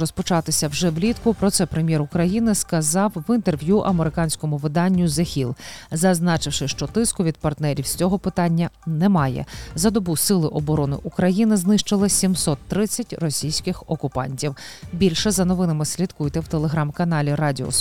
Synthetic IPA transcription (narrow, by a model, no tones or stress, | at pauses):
rɔspɔt͡ʃɑt̪ɪsʲɐwʒɛʋlʲit̪kʊpɾɔt̪sɛpɾemʲjɛɾʊkɾɐjinɪskɐzɑwʋɪnt̪erʋʲjuʔɐmeɾɪkɑnʲsʲkɔmʊʋɪd̪ɑnʲːʊzexʲilˠzɐznɑt͡ʃɪwʃɪʃt͡ʃɔt̪ɪskʊʋʲid̪̚pɐrt̪nɛɾʲiwsʲt͡sʲɔɦɔpɪt̪ɑnʲːɐnɛmɑjɛ̰zɐd̪ɔbusɪlˠɪʔɔbɔɾɔnɪ̰ʔukɾɐjinɪznɪʃt͡ʃɪlˠɪsʲimsɔt̪ːɾɪt͡sʲːɐtʲrɔsʲijsʲkɪxɔkʊpɑ̰nʲtʲiwbʲilʲʃɛzɐnɔʋɪnɐmɪsʲlʲit̪kujt̪ɛwt̪elˠeɦɾɑmkɐnɑlʲiɾɑdʲɪɔ̰